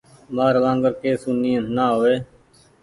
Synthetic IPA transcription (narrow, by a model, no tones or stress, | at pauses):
maːɾʋãːŋɡəɾkeːsuniːə̃naːɦoːeː